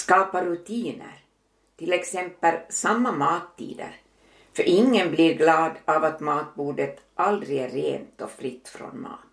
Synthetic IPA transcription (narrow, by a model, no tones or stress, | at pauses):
skɑːpaɾʉt̪ʰiːnə̰ɾ | t̪ɪlɛksɛmpːəlsamːamɑːt̪ʰːḭːd̪ə̰ɾ | fœɾʔɪŋːənbliɾɡlɑːd̪avat̪mɑːt̪̚buːɖət̪ʔald̪ɾɪɡærːḛːnt̪ɔfɾɪt̪ːfɾo̰nmɑ̰ːt̪